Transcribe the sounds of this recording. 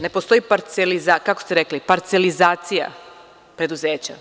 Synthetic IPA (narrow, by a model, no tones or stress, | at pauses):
ne̞po̞st̪o̞jipaɾt̪selizakakost̪eɾe̞klipaɾt̪se̞lizaːt̪sija̰ | pɾe̞d̪uze̞ːt͡ɕa̰